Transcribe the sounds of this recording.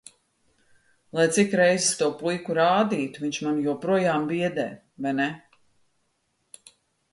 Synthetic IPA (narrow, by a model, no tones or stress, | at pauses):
lˠajt̪sikɾejzst̪uɔpujkuɾaːd̪iːt̪uviɲt͡ʃmanjuɔpɾuɔjaːmbiɛd̪ɛ̰ː | vajnɛ